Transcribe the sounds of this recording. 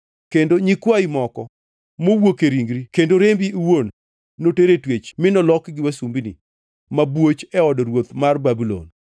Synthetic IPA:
kendoɲikwaimɔkɔ | mowokeɾiŋɡɾikendoɾembiwonː | oteɾetwet͡ʃmɪnɔlɔkɡɪwasumbinḭ | mabwot͡ʃɛɔdɔɾwot̪marbabilɔ̰n

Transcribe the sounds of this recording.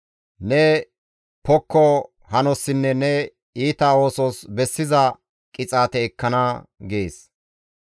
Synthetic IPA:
nɛ | pɔkʰːɔ | hɐnɔsːɪnːɛnɛ | iːt̪ao̞ːsoːsbɛsːɪzɐ | kʼɪt͡sʼaːt̪ɛːkːɐnɐɡeːs

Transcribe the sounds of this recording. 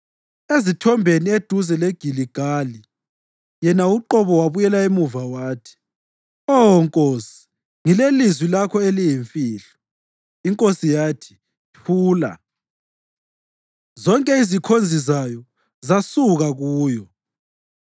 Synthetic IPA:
ezitʰɔmbʱenied̥ʱuzɛleɡ̥ʱiliɡ̥ʱali | jɛnauǃɔβɔwaβujɛlaemuvawaːtʰi̥ | ɔŋkʼoːsi̥ | ŋilelizwilakʰɔelijiɱfiːɬɔ̥ | iŋkʼosijaːtʰi̥ | pʰuːla̰ | zɔŋkʼɛizikʰond͡zʱizajɔ | zasuɣaɣuːjɔ

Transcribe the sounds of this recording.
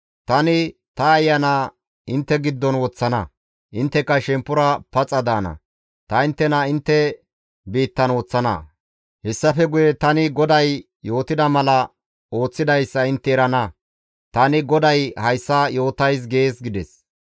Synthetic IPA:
t̪ɐnɪ | t̪ɐːjːɐna | ɪnt̪ːɛɡɪd̪ːɔnwɔt͡sːɐnɐ̰ | ʔɪnt̪ːɛkːɐʃɛmpːʊɾɐpɐt͡sʼːɐd̪aːnɐ̰ | t̪ɐɪnt̪ːɛnɐɪnt̪ːɛ | biːt̪ːɐnwɔt͡sːɐnɐ̰ | hɛsːɐfɛɡʊjɛt̪ɐnɪɡɔd̪ɐj | jo̞ːt̪ɪd̪ɐmɐlɐ | o̞ːt͡sːɪd̪ɐjsːɐɪnt̪ːɛːɾɐnɐ | t̪ɐnɪɡɔd̪ɐjhɐjsːɐjo̞ːt̪ɐjs̬ɡe̞ːsɡɪd̪ɛs

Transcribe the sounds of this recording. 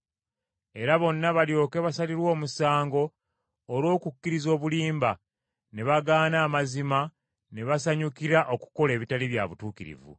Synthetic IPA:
e̞ɾaβo̞nːaβaljo̞ːke̞βasaliɾwo̞ːmusaːŋɡo̞ː | ɾwo̞ːkukːiɾizo̞ːβuliːmba | ne̞βaɡaːnaːmazima | ne̞βasaɲukiɾaʔo̞ku̥ko̞le̞ːβitaliβja̰βutuːkiɾḭvṵ

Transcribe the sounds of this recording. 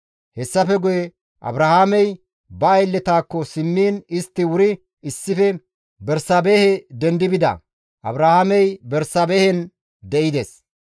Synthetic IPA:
hɛsːɐfɛɡʊjɛ | ʔɐ̰bɾɐhaːmɛj | bɐːjlːɛt̪aːkːɔsɪmːiːnɪst̪ːɪwʊɾɪ | ɪsːɪfɛ | bɛɾsaːbeːhɛd̪ɛnd̪ɪbɪd̪ɐ̰ | ʔɐ̰bɾɐhaːmɛjbɛɾsaːbeːhɛn | d̪ɛʔɪd̪es

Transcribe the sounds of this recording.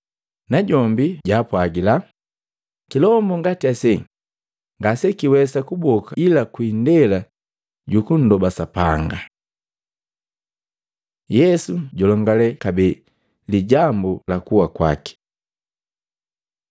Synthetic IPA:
naɟɔmbiɟaːpwaɡila | kilɔmbɔŋɡatiasɛ | ŋɡasɛkiwɛsakubɔkailakwindɛla | ɟukun̩dɔbasapaŋɡa | jɛsuɟɔlɔŋɡalɛkabɛ | liɟambulakuwakwa̰ki̥

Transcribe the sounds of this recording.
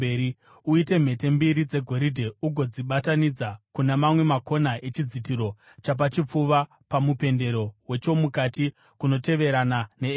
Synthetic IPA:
ei | uite̞m̤e̞te̞mbiɾid͡ze̞ɡʱo̞ɾidʱe̞uɡʱo̞d͡ziɓatanid͡zakunemamwe̞mako̞naʔet͡ʃid͡zitiɾo̞ | t͡ʃap̬at͡ʃip͡fuʋa | pamupe̞nde̞ɾo̞we̞t͡ʃo̞mukati | kuno̞te̞ʋe̞ɾanane̞ː

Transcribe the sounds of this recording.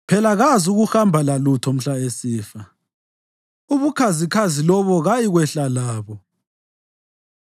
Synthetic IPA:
pʰɛlaɣazuɣuxambʱalalutʰɔm̩ɬaesiːfa | uβukʰazikʰazilɔβɔɣajiɣwɛɬalaːβɔ

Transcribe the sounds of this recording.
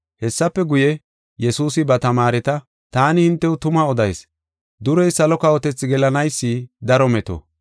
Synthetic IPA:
hɛsːɐpːɛɡʊjɛ | jɛsuːsɪbɐt̪ɐmaːɾɛt̪ɐ | t̪aːnɪhɪnt̪ːɛʊt̪ʊmɐɔd̪ɐjs | d̪ʊɾɛjsɐlɔkɐwɔt̪ɛt͡sːɪɡɛlɐnɐjsːid̪ɐɾɔmɛt̪ɔ̰

